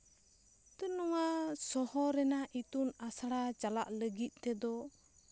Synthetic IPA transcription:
t̪ənɔŋasɔhɔɾɛnaʔit̪unasaɽat͡ʃala̰ʔləɡit̪̚ˀt̪ɛd̪ɔ

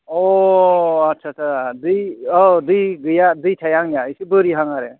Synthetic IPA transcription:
ɔ | atːt͡ʃʰatsʰaadɯjɔdɯjɡɯjadɯjtʰajaŋjaisibɯɾiɦaŋaɾe

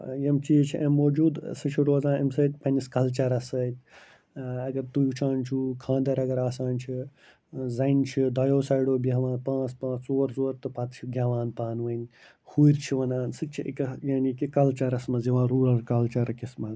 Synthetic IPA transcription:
jɐmt͡ʃit͡ʃʰiʔɐmːoːd͡ʒuːd̪sɨt͡ʃʰiɾoːzãːnɐmsɐːt̪̚ʲpɐniskɐlt͡ʃɐɾɐsɐt̪̚ʲ | ɐɡɐɾt̪ujut͡ʃʰaːnt͡ʃʰukʰãːnd̪ɐɾɐɡɐɾaːsaːnʲt͡ʃʰi | zɐnt͡ʃʰid̪ʱɐjoːsɐːjɖoːbaːʋãːnpãːt͡spãːt͡st͡soːɾzoːɾt̪ɨpɐt̪t͡ʃʰiɡʱʲjaːʋaːnpaːnʋɐnʲ | huɾʲt͡ʃʰiʋɐnaːnsɨt͡ʃʰiʔḭkɐjaːnikikɐlt͡ʃɐɾɐsmɐziʋãːɾuːɾɐɾkɐlt͡ʃɐɾkismɐ

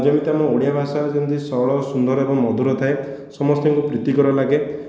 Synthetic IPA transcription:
d͡ʒɔmit̪amɔoɽijabʱasad͡ʒɔnt̪isɔɭɔsund̪ɔɾɔebɔŋmːɔd̪ʱuɾɔt̪ʰae | sɔmɔst̪eŋkupɾit̪ikɔɾalaɡe

